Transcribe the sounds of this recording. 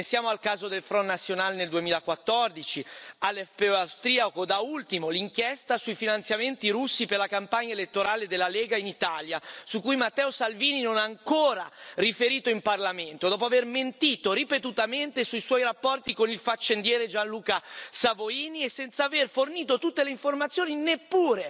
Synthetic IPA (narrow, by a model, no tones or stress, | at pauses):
ensjaːmoalkaːzod̪elfɾɔnːat̪sːjonaːleneld̪uemiːlakwat̪ːɔrd̪it͡ʃialːɛfpeawst̪ɾiːakod̪ault̪imoliŋkjɛst̪asuifinant̪sjament̪iɾusːiperlakampaɲːaelet̪ːoɾaːled̪elːaleːɡainit̪aːljasukːujmat̪ːɛːosalviːninonaːŋkoːɾarifeɾiːt̪oimparlament̪od̪ɔːp̬oaverment̪iːt̪oɾipet̪ut̪ament̪esuiswɔjɾapːɔrt̪ikonilfat͡ʃːend̪jɛːɾed͡ʒanluːkasavoiːniesːɛnt̪saverforniːt̪ot̪ut̪ːeleiɱformat̪sːjoːninepːuːɾe